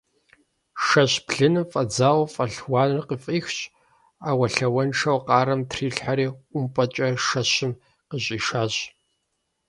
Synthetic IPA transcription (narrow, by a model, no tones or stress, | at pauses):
ʃɐɕpɮɨnɨfʼɐd͡zaːwɐfʼɐɬwɑːnrqəfʼiːxt͡ʃʼ | aːwɐɬɐwɐnʂɐwqɑːɾɐmtʰriːɬħaɾiːʔʷʊmpʼɐt͡ʃʼɐʃɐɕɪm | qəɕʼiːʃaːɕ